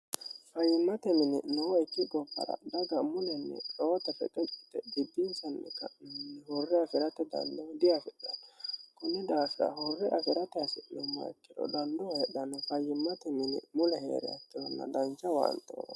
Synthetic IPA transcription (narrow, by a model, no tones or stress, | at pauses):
fɐjːɪmːɐt̪ɛmɪnɪ̰nɔwɔɛkːɪɡɔbːɐ̰ɾɐ̰d̪ɐɡɐmʊlɛnːɛ̰sɔwt̪ɐfɛkʼɛt͡ʃʼɪ̥t̪ːɛbɪd̪ːɪnsɐnːɛ̰kːɐnːɛhɔrːɛɐfɪɾɐt̪ɛd̪ɐ̰nd̪ɔd̪ɪjafɛᶑɐnkʊnːɛd̪aːfɪɾɐ̰hɔrːɛʔɐfɪɾɐt̪ɛɐsɪʔʊmːɐ̰ɛkːɪd̪ɔ̰d̪ɐnd̪ɔhɛɗɐnfɐjːɪmːɐt̪ɛmɪnɪ̰mʊlɛhḛːɾɛ̰ɐ̰t̪ːɪwɔnːɐ̰d̪ɐnt͡ʃːɐwa̰ːnt̪ʼːo̰ː